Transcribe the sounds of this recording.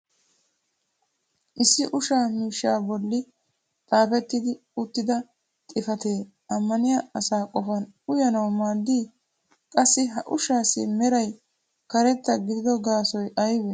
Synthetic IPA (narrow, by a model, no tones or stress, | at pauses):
ʔɪsːɪʔʊʃaːmiːʃːaːbɔlːɪ | t̪ʼaːfɛt̪ːɪd̪ɪ | ʊt̪ːɪd̪ɐ | t̪ʼɪfɐt̪e̞ː | ɐmːɐnɪjaɐsaːkʼɔfɐn | ʊjɐnɐwmaːd̪ːiː | kʼɐsːɪɦɐʔʊʃaːsɪmɛɾɐj | kɐɾɛt̪ːɐɡɪd̪ɪd̪ɔɡaːsɔjɐjbɛ